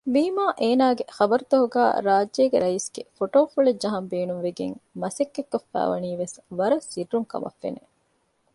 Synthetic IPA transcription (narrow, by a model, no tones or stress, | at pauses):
biːmaːʔeːnaːɡexɐbɐɾut̪oɦuɡæ̰ːɾaːd͡ʒːeːɡeɾɐisɡ̥efoʈoːfuɭed͡ʒɐɦɐmbeːnumʋeɡḛŋmɐsekːekːofːæ̰ːʋɐ̰niːʋesʋɐɾɐsirːuŋkɐ̰mʔɐ̰fːḛne